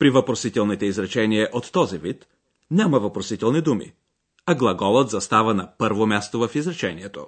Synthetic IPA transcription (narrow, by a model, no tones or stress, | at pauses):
pɾivɐpɾosit̪ɛlˠnit̪ɛizɾɐt͡ʃɛniɛʔot̪ːɔzivit̪ | nʲamɐvɐpɾosit̪ɛlˠnid̪umḭ | ɐɡlˠɐɡɔlˠət̪zɐst̪avənɐpɤɾvomʲjast̪ovɐfizɾɐt͡ʃɛniɛt̪o